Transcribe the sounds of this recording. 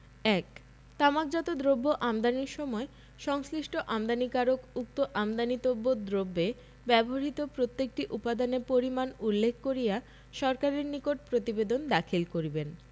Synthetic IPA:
ɛk | t̪amak̚d͡ʑɔt̪od̪ɾobːoʔamd̪aniɾʃɔmɔe | ʃɔŋsɾiʃʈoʔamd̪anikaɾokuk̚t̪oʔamd̪anit̪obːod̪ɾobːe | bɛboɦaɾit̪opɾot̪ːek̚ʈiʔupad̪anepoɾimanulːekʰːkoɾija | ʃɔɾkaɾeɾnikoʈ̚pɾot̪ibed̪ond̪akʰilkoɾiben

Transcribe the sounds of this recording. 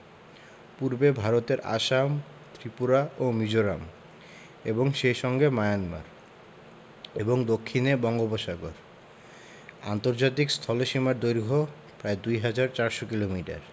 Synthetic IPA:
puɾbebʱaɾot̪eɾʔa̰ʃam | t̪ɾipuɾaʔomid͡ʑoɾam | eboŋʃejʃɔŋɡemajanma̰ɾ | eboŋd̪okʰːinebɔŋɡoboʃaɡoɾ | a̰nt̪oɾd͡ʑat̪̬ikst̪ʰɔloʃimaɾd̪ojɾɡʱo | pɾaed̪ujɦad͡ʑaɾt͡ɕaɾʃokilomiʈa̰ɾ

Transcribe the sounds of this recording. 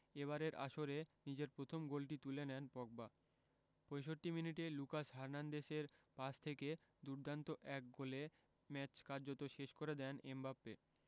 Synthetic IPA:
eβaɾeɾʔa̰ʃoɾenid͡ʑeɾpɾot̪ʰomɡolʈit̪ulenɛnpɔk̚ba | pojʃoʈːiminiʈelukaʃɦaɾnand̪eʃeɾpast̪ʰeked̪uɾd̪ʱant̪oʔɛk̚ɡole | mɛt͡ɕkaɾd͡ʑot̪oʃeʃkoɾed̪ɛnembapːe

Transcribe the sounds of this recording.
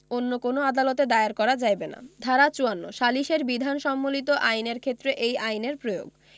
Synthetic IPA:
onːokonoad̪alot̪ed̪aeaɾkɔɾad͡ʑajbena̰d̪ʱaɾat͡ɕuanːo̰ʃaliʃeɾbid̪ʱanʃɔmːolit̪oʔajneɾkʰet̪ːɾeʔejajneɾpɾojo̰ɡ

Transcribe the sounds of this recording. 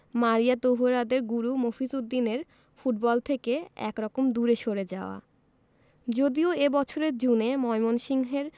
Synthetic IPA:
maɾijat̪oɦuɾad̪eɾɡuɾumofisud̪ːineɾ | fuʈ̚bɔlt̪ʰekeɛ̰kɾɔkomd̪uɾeʃoɾed͡ʑaoa̰ | d͡ʑod̪ioebɔt͡ɕʰoɾeɾd͡ʑunemɔjmonʃiŋɦeɾ

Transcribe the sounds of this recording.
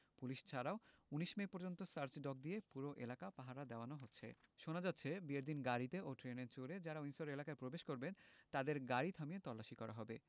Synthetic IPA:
puliʃt͡ɕʰaɾaouniʃmepoɾd͡ʑont̪osaɾt͡ɕɖɔk̚d̪iepuɾoʔḛlakapaɦaɾad̪ɛoanoɦotːɕʰḛʃonad͡ʑatːɕʰebieɾd̪inɡaɾit̪eoʈɾeneɾt͡ɕoɾed͡ʑaɾainsoɾelakaepɾobeʃkoɾbent̪ad̪eɾɡaɾit̪ʰamiet̪ɔlːaʃikɔɾa̰ɦɔbe

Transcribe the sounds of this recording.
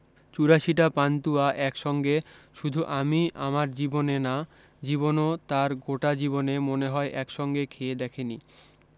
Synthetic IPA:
t͡ɕuɾaʃiʈapant̪uaʔɛkʃɔŋɡeʃud̪ʱuʔamia̰maɾd͡ʑibonena | d͡ʑiβonot̪aɾɡoʈad͡ʑibonemoneɦɔeʔɛkʃɔŋɡekʰeed̪ɛkʰeni

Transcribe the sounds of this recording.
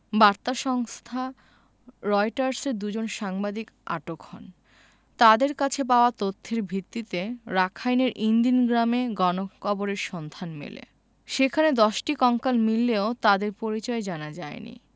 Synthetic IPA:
baɾt̪aʃɔŋst̪ʰa | ɾɔjʈaɾseɾd̪ud͡ʑonʃaŋbad̪ik | ʔa̰ʈokhɔ̰n | t̪ad̪eɾkat͡ɕʰep̬aoat̪ot̪ʰːeɾbʱit̪ːit̪eɾakʰajneɾʔind̪inɡɾameɡɔnokɔboɾeɾʃɔnd̪ʱanmḛlḛ | ʃekʰaned̪ɔʃʈikɔŋkalmilːeot̪ad̪eɾpoɾit͡ɕɔed͡ʑanad͡ʑaenḭ

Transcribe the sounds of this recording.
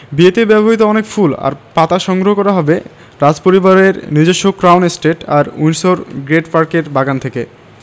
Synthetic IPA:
biet̪ebɛboɦit̪oɔnekfula̰ɾpat̪aʃɔŋɡɾoɦokɔɾaɦɔbe | ɾad͡ʑpoɾibaɾeɾnid͡ʑoʃːokɾawnesʈeʈa̰ɾujnsoɾɡɾeʈpaɾkeɾbaɡant̪ʰeke

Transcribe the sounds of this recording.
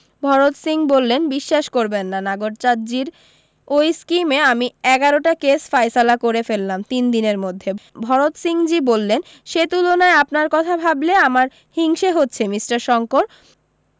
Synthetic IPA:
bʱɔɾot̪siŋbolːenbiʃːaʃkoɾbenːanaɡoɾt͡ɕad͡ʑiɾ | ojskimeamiɛɡaɾoʈakesfajsalakoɾefelːamt̪ind̪ineɾmod̪ʱːebʱɔɾot̪siŋd͡ʑibolːen | ʃet̪ulonaeapnaɾkɔt̪ʰabʱableamaɾ | hiŋʃeɦotːɕʰemisʈaɾʃɔŋkoɾ

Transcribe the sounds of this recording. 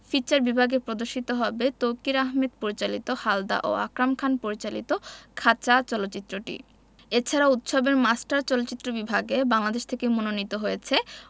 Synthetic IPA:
fit͡ɕaɾbibʱaɡepɾod̪oɾʃit̪oɦɔbet̪owkiɾaɦmed̪̚poɾit͡ɕalit̪ohald̪a̰ʔo̰a̰kɾamkʰanpoɾit͡ɕalit̪okʰat͡ɕat͡ɕɔlotːɕit̪ːɾoʈḭ | et͡ɕʰaɾaut̪ʃobeɾmasʈaɾt͡ɕɔlotːt͡ɕit̪ːɾobibʱaɡebaŋlad̪eʃt̪ʰekemononit̪oɦojet͡ɕʰe

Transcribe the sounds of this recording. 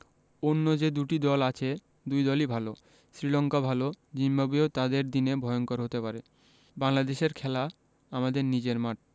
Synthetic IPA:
onːod͡ʑed̪uʈid̪ɔlat͡ɕʰe | d̪ujd̪ɔlibʱalo | sɾilɔŋkabʱalod͡ʑimbabiot̪ad̪eɾd̪inebʱɔeoŋkoɾɦot̪epaɾe | baŋlad̪eʃeɾkʰɛla | amad̪eɾnid͡ʑeɾmaʈ̚

